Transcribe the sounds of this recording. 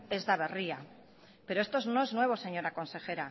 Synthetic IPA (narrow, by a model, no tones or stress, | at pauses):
e̞zðaβeria | peɾo̞est̪ozno̞e̞znwe̞β̞o̞se̞ɲo̞ɾako̞nse̞xe̞ɾa